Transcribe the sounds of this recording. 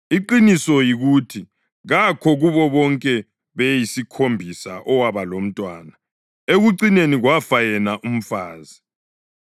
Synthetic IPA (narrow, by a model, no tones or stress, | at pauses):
iǃinisɔjiɣutʰi | ɣakʰɔɣuβɔβɔŋkʼɛ | βejisikʰombʱisa̰ʔɔwaβalom̩tʼwaːna | eɣuǀineniɣwafajɛnaʔum̩faːzi